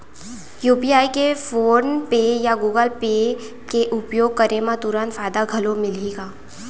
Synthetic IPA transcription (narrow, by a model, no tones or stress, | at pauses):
juːpiaːikefoːnpeːjaɡuːɡəlpeː | keʔʊpjoːɡ̚kəɾemãt̪ʊɾaːnfaːd̪aɡʱɐlomɪliːɡaː